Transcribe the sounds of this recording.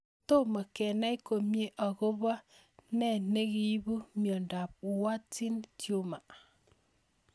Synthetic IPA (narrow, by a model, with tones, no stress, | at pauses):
to˦ma˨kɛ˨na˦i˦ko˨mje˦ʔa˨ɣo˦βa˦ | nɛ˦˨ne˦ɣi˨˦bu˦mjɔ˨nda˨p̚wa˦ti˦ntjo˦ma˨